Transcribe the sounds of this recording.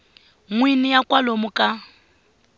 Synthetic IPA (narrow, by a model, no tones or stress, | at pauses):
ŋwinɪjakʼwalomʊkʼa